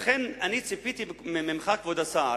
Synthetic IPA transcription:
χenanit͡sipit̪imɪmɪmχakvod̪asa

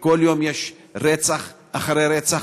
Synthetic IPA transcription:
koljomjeʃ | ɾet͡saχ | aχaɾeɾet͡sa

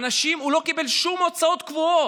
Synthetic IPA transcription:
naʃimulo̞kibe̞lʃumot͡sao̞t̪kvuo

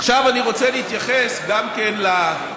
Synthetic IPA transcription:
aχʃavaniʁo̞t͡seleit̪jaχesɡamkenla

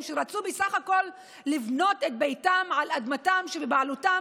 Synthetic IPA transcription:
mʃeʁat͡subesaχako̞lː | ivno̞tet̪̚bejtamʕalad̪matamʃebebaʕaluta

